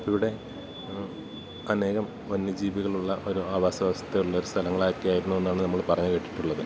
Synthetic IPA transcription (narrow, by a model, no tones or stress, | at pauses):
iʋiɽe̞ | ɐne̞ːɣɐm | onːjɐd͡ʑiːʋiɣɐɭuɭːɐʔo̞ɾuaːʋaːsɐaːsɐ̥t̪ːejuɭːɐoɾust̪ʰɐlɐŋːɐɭaːkːijaːjiɾunːue̞nːaːɳɨnɐmːɐɭpɐrɐɲːɨkeʈːi̥ʈːuɭːɐðɨ